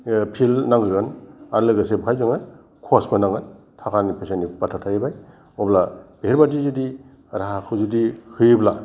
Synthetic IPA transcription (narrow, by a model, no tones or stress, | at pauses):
pʰilnaŋɡɯɡɯnaɾlɯɡɯsebkʰajzɔŋaj | kʰɔsbɯnaŋɡɯn | tʰakʰanipʰesenipatʰatʰajbaj | ɔblab̥ehiɾbadizudi | ɾaɦakʰɯzudihɯjbla